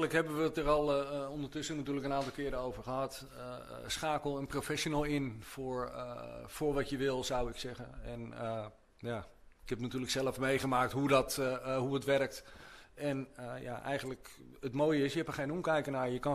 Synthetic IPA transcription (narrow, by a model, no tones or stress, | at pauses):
ləkɦɛbəʋətərɑlˠondəɹtɵsənatyːləkənaːntɑlˠkɪːəɾəowvəɹχəɦɑt | sχaːkəlˠənprofɛʃonəlˠɪnfʊɹ | fʊːɹʋɑtjəʋɪlˠzawɪksɛɣənɛnə | ja | ɪkhɛpətnatyːləksɛləfmejχəmaːk̚tɦudɔtɦuətʋɛrk̚tɛnəja̰ʔɛ̰jχəntləkətmoːjəɪsjəɦɛpəɹχejnomkɛjkənaɹjəkɑ